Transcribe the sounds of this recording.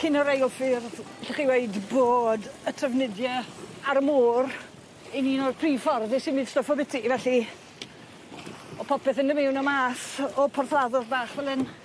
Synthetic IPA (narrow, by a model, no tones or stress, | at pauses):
kʰɪnɔɾejlˠfirɛɬɪχiweɨdboːdətʰəvnɪdjɛaɾəmuːr | iniːnoːdpʰriːfɔrðɪsɪnmid̥stɔfɔbɪtʰivɛɬi | ɔpʰɔpɛθɪndəmɪwnɔmaːsɔpʰɔrθlaðɔðbaːχvɛlˠɨn